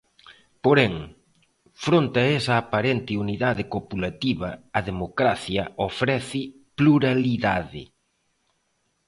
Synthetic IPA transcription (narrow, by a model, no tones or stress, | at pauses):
poɾɛŋ | fɾont̪ɐɛsɐːpaɾent̪ɪuniðaðɪkopulat̪iβɐ̰ɐðemokɾaθjɐofɾɛθɪ | pluɾaliðaðɪ̰